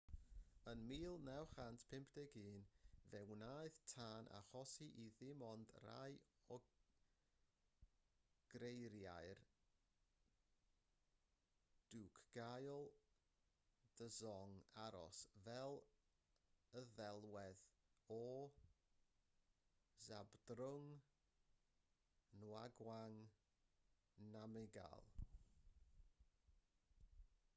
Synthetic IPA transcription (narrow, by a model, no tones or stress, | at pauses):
ənmiːlˠnɛwχantpʰɪmpʰd̥ɛɡiːnvɛwnaːjɨðtʰaːnʔa̰χɔsiʔiðɪmɔndra̰j | ɔ | ɡ̥ɾejɾjajr | d̥uːkʰɡ̥ajɔlˠ | d̥əzɔŋaɾɔ̰svɛlˠ | əðɛlˠwɛðɔ | zabdrʊŋ | nwaɡwaŋ | namɪɡa̰lˠ